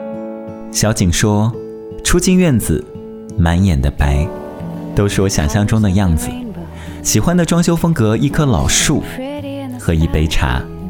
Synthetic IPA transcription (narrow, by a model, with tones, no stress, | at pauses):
ɕjɑ˧˥ʊt͡ɕi˨˩ŋʂwɔ˥ | ʈ͡ʂʰu˥t͡ɕi˥˧nɥɛ˥˩nd͡zɹ̩˨˩ | ma˧˥njɛ˨˩nd̪ə˦pa˧˥ɪ | t̪o˥ʊʂɻ̩˥˩wɔ˧˥ɕjɑ̰˨˩ŋɕjɑ˥˩ŋʈ͡ʂʊ˥ŋd̪ə˨jɑ˥˩ŋd͡zɹ̩˩ | ɕi˨˩xwa˥nd̪ə˨ʈ͡ʂwɑ˥ŋɕjo˥ʊfɤ˥ŋkɤ˧˥i˥˩kʰɤ˥lɑ̰˨˩ʊʂu˥˩ | xɤ˧˥i˧˥pe˧˥ɪʈ͡ʂʰa̰˧˥